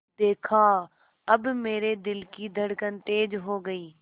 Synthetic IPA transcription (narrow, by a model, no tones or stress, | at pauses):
d̪eːkʰaː | ɐbmeːɾed̪ɪlkid̪ʱəɽkənt̪eːd͡ʒɦoːɡəiː